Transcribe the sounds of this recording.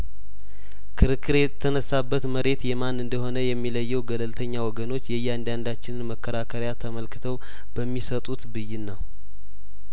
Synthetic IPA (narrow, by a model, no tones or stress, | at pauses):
kʰɨɾɨkːɨɾet̪ʰːənəsːabːət̪məɾe̞t̪jɛmanɨnd̪əɦo̞nəjɛmːiləjːɛwɡələlt̪ʰəɲːawɔɡəno̞t͡ʃːjɛjːɛand̪and̪at͡ʃːɪnɨnməkʰːəɾakʰəɾjat̪ʰəməlkɨt̪ʰəw | b̥əmːisət̪ʼut̪bɨjːɪnːəw